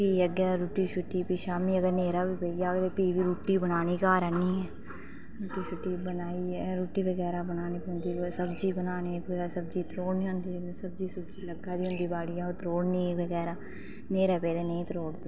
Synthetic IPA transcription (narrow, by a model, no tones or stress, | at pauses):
piːəɡaːɾuːʈiːʃʊʈːiːpiːʃaːmiːəɡəɾneːɾaːbiːpeijaːkt̪eːpiːʋiːɾuːʈiːbənaːniːkaːɾɛːniːɛː | ɾuːʈiːʃʊʈːiːbənaːiːɛɾuːʈiːbəɡɛːɾaːbənaːniːpːnd̪iːsəbd͡ʒiːbənaːniːkːɛːsəbd͡ʒiːt̪ɾoːɽniːɦõːnd̪iː | səb̚d͡ʒiːsəbd͡ʒiːləɡaːd̪iːɦʊ̃nd̪iːbaːɽiːaːot̪ɾoːɽnĩːbəɡɛːɾaː | neːɾɛːpeːd̪eːnẽĩt̪ɾoːɽd̪eː